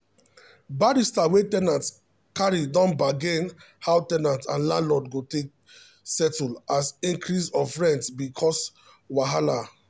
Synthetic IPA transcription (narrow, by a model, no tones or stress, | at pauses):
baɾistawetɛnãnt | kaɹidɔ̃nbaɡẽn | hawtɛnãntãnlãnlɔdɡotek̚ | sɛtulasĩŋkɹisɔfɹɛ̃ntbikʰɔs | waɦala